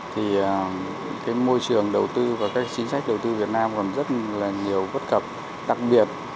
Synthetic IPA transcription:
t̪ʰi˨˩əː˨˩ | kaː˨˦jmo˧jt͡ɕɨ˨˩əŋɗə˨˩wt̪ɨ˧vaː˨˩kaː˦˥k̚t͡ɕï˨˦ŋsa˦˥k̟̚ɗə˨˩wt̪ɨ˧vi˨˩ət̚naː˧mkɔ˨˩nzə˦˥t̚laː˨˩ŋi˨˩əwvə˦˥t̚kə˨˩p̚ | ɗa˨˩k̚ɓi˨˩ət̚

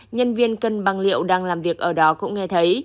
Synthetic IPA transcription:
ɲə˧nvi˧ənkə˨˩nɓa˨˩ŋlḭ˧˨əwɗaː˧ŋlaː˨˩mvi˨˩ək̚ʔəː˧˩ɗɔ˨˦kʊ̰˧˥ŋ͡mŋɛ˧t̪ʰə˨˦j

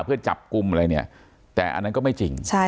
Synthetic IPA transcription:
pʰɯ˥˩ɐt͡ɕa̰˨˩p̚ku˧mʔa˧ɾa˧jni˦˥˩ɐ | t̪ɛː˨˩ʔa̰˧nːa˦˥kɔː˥˩ma˥˩jt͡ɕi˧ŋt͡ɕʰa˥˩

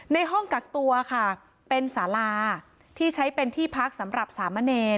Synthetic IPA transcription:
na˧jɦɔ˥˩ŋka˨˩k̚t̪u˧ɐkʰa˥˩ | pe˧nsaː˩˦laː˧ | t̪ʰiː˥˩t͡ɕʰa˦˥jpe˧nt̪ʰiː˥˩pʰa˦˥k̚sa˩˦mɾa˨˩p̚saː˩˦mːa˧neː˧

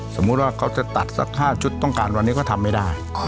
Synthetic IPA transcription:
so˩˦mːu˦˥t̪̚waː˥˩kʰa˦˥wt͡ɕa˨˩t̪a˨˩t̪̚sa̰˦˥k̚haː˥˩t͡ɕʰu˦˥t̪ːɔ˥˩ŋkaː˧nwa˧nːiː˦˥kɔː˥˩t̪ʰa˧mːa˥˩jdaː˥˩j

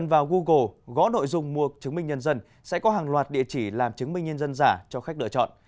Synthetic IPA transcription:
nvaː˨˩wɣu˧ɣo˨˩ɣɔ̰˧˥no̰˧˨jzʊ˧ŋ͡mmu˧ət͡ɕɨ˨˦ŋmï˧ŋ̟ɲə˧nzə˧n | sɛ̰˧˥kɔ˨˦ɦaː˨˩ŋlwaː˨˩t̚ɗḭ˧˨ət͡ɕi˧˩laː˨˩mt͡ɕɨ˨˦ŋmï˧ŋ̟ɲə˧nzə˧nzaː˧˩t͡ɕɔ˧xk̚ɗɨ̰˧ət͡ɕɔ̰˧˨nʔ

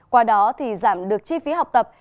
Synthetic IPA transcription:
kwaː˧ɗɔ˨˦t̪ʰi˨˩zaː˧˩mɗɨ˨˩ək̚t͡ɕi˧fi˨˦ɦa˨˩wk͡p̚t̪ə˨˩p̚

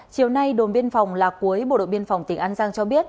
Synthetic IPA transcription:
t͡ɕi˨˩əwna˧jɗo˨˩nɓi˧ənfa˨˩wŋ͡mlaː˨˩ku˨˦əjɓo̰˧˨ɗo̰˧˨jɓi˧ənfa˨˩wŋ͡mt̪ï˨˩ŋʔaː˧nzaː˧ŋt͡ɕɔ˧ɓi˦˥ət̚

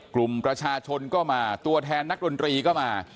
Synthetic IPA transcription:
klu˨˩mpɾa˧t͡ɕʰaː˧t͡ɕʰo˧nkɔː˥˩maː˧t̪u˧ɐt̪ʰɛː˧nːa˦˥k̚do˧nt̪ɾiː˧kɔː˥˩maː˧

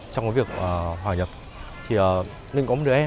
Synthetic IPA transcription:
t͡ɕɔ˧wŋ͡mkɔ˨˦vi˨˩ək̚ʔəː˨˩ɦwaː˨˩ɲə˨˩p̚ | t̪ʰi˨˩ʔəː˨˩ | lḭ˧˨ŋkɔ˨˦m̚˨˩˨ʔɛ˧

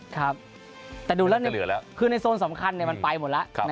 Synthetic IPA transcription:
kʰa˦˥p̚ | t̪ɛː˨˩duː˧lɛː˦˥ni˥˨lɯ˩˦lɛː˦kʰɯː˧na˧jsoː˧nsa˩˦mkʰa˧nːi˨˩ɐma˧npa˧jmo˨˩˦t̪̚la˦˥ʔʰa˦˧na˦

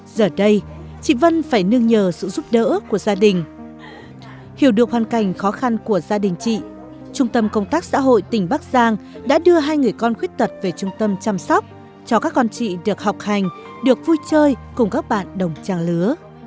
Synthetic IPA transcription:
zəː˨˩ɗə˧j | t͡ɕḭ˧˨və˧nfaː˧˩jnɨ˧əŋɲəː˨˩sɨ̰˧˨zu˦˥p̚ɗə̰ː˧˥ku˧˩əzaː˧ɗï˨˩ŋ̟ | hi˧˩əwɗɨ˨˩ək̚hwaː˨˩nka˧˩jŋ̟xɔ˨˦xa˧nku˧˩əzaː˧ɗï˨˩ŋ̟t͡ɕḭ˧˨ | t͡ɕʊ˧ŋ͡mt̪ə˧mkə˧wŋ͡mt̪aː˦˥k̚sa̰ː˧˥ɦo̰˧˨jt̪ï˨˩ŋ̟ɓaː˦˥k̚z̥aː˧ŋɗa̰ː˧˥ɗɨ˧əɦaː˧jŋɨ˨˩əjkɔ˧nxwi˦˥k̚t̪ʰə˨˩t̚ve˨˩t͡ɕʊ˧ŋ͡mt̪ə˧mt͡ɕa˧msɔ˦˥wk͡p̚ | t͡ɕɔ˧kaː˦˥k̚ːɔ˧nt͡ɕḭ˧˨ɗɨ˨˩ək̚ha˨˩wk͡p̚ha˨˩jŋ̟ | ɗɨ˨˩ək̚vu˧jt͡ɕəː˧jkʊ˨˩ŋ͡mkaː˦˥k̚ɓa̰ː˧˨nɗə˨˩wŋ͡mt͡ɕaː˧˩ŋlɨ˨˦ə

